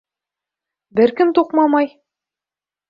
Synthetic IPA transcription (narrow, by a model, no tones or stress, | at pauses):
bɘɾkɘmt̪uqmɑmɑj